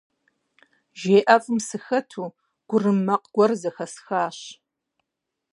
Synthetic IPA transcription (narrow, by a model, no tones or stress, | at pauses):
ʒeːʔɐfʼɨmsɨxɐtʰuː | ɡ̥ʷʊrɨmːɐqɡ̥ʷɔrzɐxɐsxaːɕ